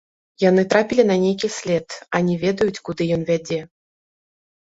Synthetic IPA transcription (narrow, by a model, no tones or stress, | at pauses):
jan̪ɨt̪ɾapʲilʲinɐnʲejkʲisʲlʲɛt̪anʲɛvʲɛd̪ɐjut͡sʲkud̪ɨjɔnvʲad͡zʲɛ